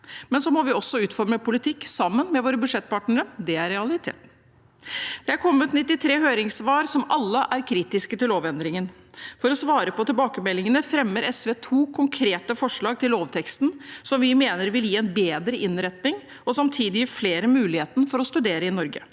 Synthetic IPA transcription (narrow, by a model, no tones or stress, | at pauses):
mɛnsɔmɔʋɪɔsːɔʉːt̪fɔɾməpʰʊlɪt̪ʰɪkːsɑmːənmɛʋoːɾəbʉʂɛt̪̚ːpɑːʈɳəɾəd̪ɛæɾɛɑlɪt̪ʰḛːt̪ | d̪̥ɛæɾkʰɔmːət̪nɪt̪ːɪt̪ʰɾeːɦøːɾɪŋsʋɑːɾsɔmʔɑlːəʔæɾkʰɾiːt̪ɪskət̪ɪlːoːʋɛnd̪ɾɪŋən | fɔɾɔsʋɑːɾəpɔt̪ɪlbɑːkəmɛlːɪŋənəfɾɛmːəɾɛsʋeːt̪ʰuːkʰʊŋkʰɾeːt̪əfɔʂɭɑːɡ̚t̪ɪlːoːʋt̪ʰɛkst̪n̩sɔmʋɪmeːnəɾʋɪljiːɛnbeːd̪ɾəʔɪnɾɛt̪nɪŋ | ɔsɑmt̪ʰiːd̪ɪfleːɾəmʉːlɪheːt̪nəfɔɾɔst̪ʉd̪eːɾəɪnɔɾɡə̰